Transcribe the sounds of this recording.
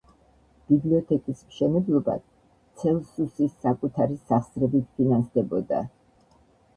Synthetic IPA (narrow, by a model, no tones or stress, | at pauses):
b̥ibliɔt̪ʰɛkʼismʃɛnɛblˠɔba̰ | t̪sʰɛlˠsusisːakʼut̪ʰaɾisaχsɾɛbit̪̚ʰpʰinansd̪ɛbɔd̪a̰